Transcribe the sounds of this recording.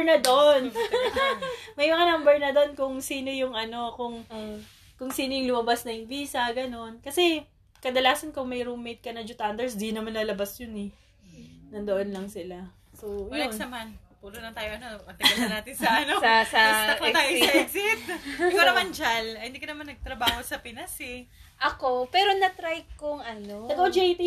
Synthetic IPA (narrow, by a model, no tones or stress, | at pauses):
nɐd̪oʔn | mɐjmɐŋɐnambɛɹnɐd̪onkʊŋsiːno̞jʊŋʔɐno̞kʊŋ | kʊŋsiːnojʊŋlʊmɐbasnɐjʊŋbiːsɐɡɐno̞nkɐsɛ | kɐd̪ɐlaːsɐnkʊŋmɐjɾumːejt̪̚kɐnɐd͡ʒʊt̪ʔand̪ɛɹsd̪iɡnɐmanːɐlɐbasjʊnɛ | nɐnd̪ɐʔonlɐŋsɪla | sowjnɐmanpuːlonɐnt̪aːjoʔɐnoɐt̪ɪɡɐnɐnaːt̪ɪnsɐʔɐnossɐst̪ɐk̪ɐt̪aːjoɛksɪt̪̚ɪkkawnɐmɐnd͡ʒalhɪnd̪iːkɐnɐmanːɐɡ̚t̪ɾɐbaːho̞sɐpɪnɐsɛ | ʔɐko̞pɛːɾo̞nɐt̪ɾajkʊŋʔɐnoɐɡod͡ʒɛjt̪